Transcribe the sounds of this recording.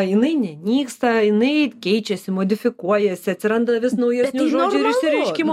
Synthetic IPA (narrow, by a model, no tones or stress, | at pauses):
ɪnɐɪnʲɛnʲiːkst̪ɐɪnɐɪkʲɛɪt͡ʃʲɛsʲɪmod̪ʲɪfʲɪkuɔjɛsʲɪɐt̪ʲsʲɪɾɐnd̪ɐʋʲɪsnɐʊjɛsʲnʲoːd͡ʒʲuɪɾɪʃsʲɪɾʲɛɪʃʲkʲɪm